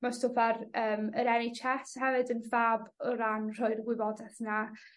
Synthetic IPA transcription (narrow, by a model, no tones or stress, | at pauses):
mastʰovaɾəːməɾɛnit͡ʃʰathɛvɨdənvaːbɔɾanr̥ɔɨrɡwɪbɔdɛθna